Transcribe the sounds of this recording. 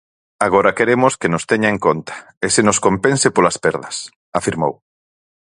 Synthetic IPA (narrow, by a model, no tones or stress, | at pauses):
aɣ̞oɾɐkeɾemʊskenʊst̪ɛɲaeŋkont̪ɐ̥ | esɪnoskompensɪpolɐspɛɾðɐs | afiɾmo̰w